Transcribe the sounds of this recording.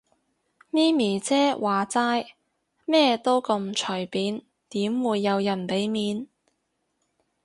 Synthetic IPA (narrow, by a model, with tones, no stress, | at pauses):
niː˥miː˨˩t͡sɛː˥waː˨t͡saː˥j | mɛː˥t̪o˥wkɐ˧mt͡ʃʰɵ˨˩jpiː˨˥n | t̪iː˨˥mwuː˨˧jːɐ˨˧wjɐ˨˩npe˨˥jmiː˨˧n